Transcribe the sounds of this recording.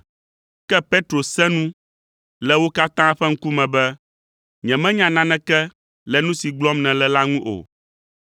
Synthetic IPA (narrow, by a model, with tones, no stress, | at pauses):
kɛ˦pe˦t̪ɾo˨sɛ̃˦nũ˦ | lɛ˨wo˦ka˦t̪ã˦ɸɛ˦ŋ̩˦ku˦mɛ̃˨bɛ˦ | ɲɛ̃˨mɛ̃˦ɲã˨nã˦nɛ̃˨kɛ˦ | lɛ˨nũ˦si˨ɡ͡blɔ˦mnɛ̃˨lɛ˨la˦ŋũ˦ʔo̰˨